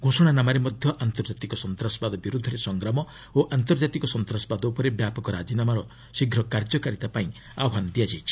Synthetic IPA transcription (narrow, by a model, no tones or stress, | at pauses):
ɡʱosɔɽ̃anamaɾemɔd̪ʱjɔʔant̪ɔɾd͡ʒat̪ikɔsɔnt̪ɾasɔbad̪ɔbiɾud̪ʱːɔɾesɔŋɡɾamɔ | oʔant̪ɔɾd͡ʒat̪ikɔsɔnt̪ɾasɔbad̪ɔupɔɾebjapɔkɔɾad͡ʒinamaɾɔ | siɡʱɾɔkaɾd͡ʒɔkaɾit̪apaĩ | a̰wɔɦanɔd̪iad͡ʒajt͡ʃʰi̥